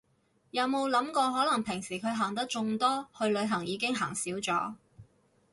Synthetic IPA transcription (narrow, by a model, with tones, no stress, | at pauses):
jɐ˨˧wmo˨˧wlɐ˨˥mkɔː˧ɦɔː˨˥lɐ˨˩ŋpʰɪ˨˩ŋsiː˨˩kʰɵ˨˧ɥɦaː˨˩ŋt̪ɐ˥k̚t͡ʃʊ˧ŋt̪ɔː˥hʰɵ˧ɥlɵ˨˧ɥɦɐ˨˩ŋjiː˨˧kɪ˥ŋɦaː˨˩ŋsiː˨˥wt͡sɔː˨˥